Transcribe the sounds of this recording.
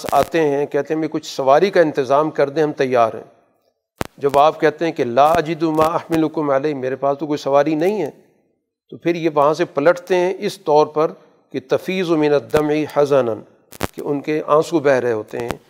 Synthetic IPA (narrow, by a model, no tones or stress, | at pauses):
sa̰ːt̪eɦɛ̃kɛɦt̪eɦɛ̃mẽkʊt͡ʃʰsɐʋaːɾikaɪ̃nt̪ɪzaːmkɐɾd̪ẽɦɐmt̪ɐjːaːɾɦɛ̰̃ː | d͡ʒɐbaːp̚kɛɦt̪eɦɛ̃kelaːɐd͡ʒɪd̪umaːɐhmɪlʊkʊmɐleːmeːɾepaːst̪ok̬oːisɐʋaːɾinɐɦĩɦɛː | t̪oːpʰɪɾjeʋɐɦãsepɐləʈʰt̪eɦɛ̃ʔɪst̪ɔːɾpɐɾ | ket̪ɐfiːzumɪnɐd̪ːɐmʕiħɐsənɐn | kḛʔʊnkeʔãːsubɛɦɾeɦoːt̪ḛɦɛ̰̃ː